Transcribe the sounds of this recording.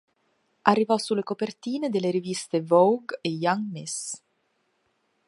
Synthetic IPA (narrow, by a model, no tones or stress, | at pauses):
ʔarːivɔsːulːekopert̪iːned̪elːeɾivist̪evɔwɡejaŋmis